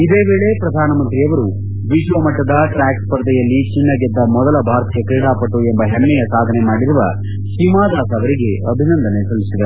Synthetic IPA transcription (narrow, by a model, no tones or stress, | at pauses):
id̪e̞ːʋeːɭe̞pɾɐd̪ʱaːnɐmɐnt̪ɾijɐʋɐɾu | ʋid͡ʒʋɐmɐʈːɐd̪ɐʈɾaːkspɐɾd̪ɛjɐlːit͡ʃiɳːɐɡed̪ːɐmɔd̪ɐlɐbʱaːɾt̪ʰijɐkeːɽaːpɐʈːuembɐɦemːɛjɐsaːd̪ʱɐnemaːɽiɾuʋɐ | ʃimaːd̪aːsɐʋɐɾiɡe̞ɐbʱinɐnd̪ɐnesɐlːisid̪ɐɾu